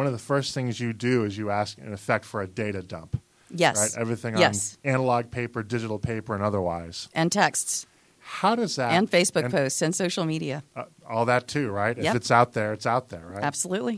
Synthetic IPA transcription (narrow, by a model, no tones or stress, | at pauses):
wʌ̃nʌvðəfɜ˞sθɪ̃ŋzjɨdɨɪzjɨæskɨ̰̃nɨfɛk̚tfə˞ɨdeɪɾɨdʌ̰̃mp | jɛɹsaɪɾɛvɹiθɪ̃ŋjɛ̃nsæ̃nəlɑɡ̚pʰeɪpə˞dɪd͡ʒɨɾl̩ˠpʰeɪpə˞ɨ̃nʌðə˞wa̰ɪz̥ʔɨ̃ntʰɛksts | haʊɾʌzðæɨ̃nfeɪsb̥ʊk̚pʰoʊstsɨ̃nsoʊʃl̩ˠmiɾiɨʌ | ɔlˠðɨtʰʉɹaɪtɨɨtsaʊt̪̚ðə˞ɨtsaʊt̪̚ðə̰˞aɪæb̥səlʉʔˡli